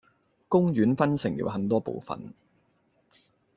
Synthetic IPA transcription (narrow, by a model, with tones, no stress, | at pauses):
kʊ˥ŋɥyː˨˥nfɐ˥nsɪ˨˩ŋjḭ˨˧˥wɦɐ˨nt̪̬ɔː˥po̰˨wfɐ̰˨n